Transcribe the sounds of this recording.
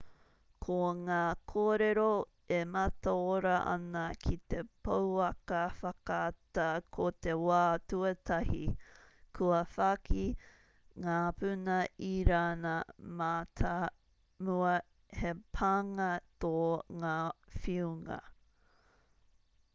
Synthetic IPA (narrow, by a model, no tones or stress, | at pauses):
kʰoŋaːkʰoːɾeɾo | emɐt̪aoɾɐʔɐ̰nɐkʰit̪epɐwɐkɐfɐkatɐkʰot̪ewaːtuɐt̪ʰɐhikʰuɐfakʰi | ŋaːpʉnɐiɾaːnɐmatʰa | muɐ | hepʰaːŋɐt̪oŋaːfiuŋɐ̰